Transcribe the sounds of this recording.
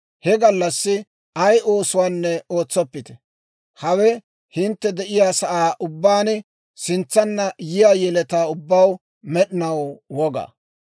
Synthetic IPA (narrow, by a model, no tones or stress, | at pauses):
hɛɡɐlːɐsːɪ | ɐjʔo̞ːsʊwaːnːɛo̞ːt͡sːɔpːɪt̪ɛ̥ | hɐwɛ | hɪnt̪ːɛd̪ɛʔɪjaːsɐʔaːʔʊbːaːn | sɪnt͡sːɐnːɐjɪjaːjɛlɛt̪aːʊbːaw | mɛɗɪnɐwwɔɡa̰ː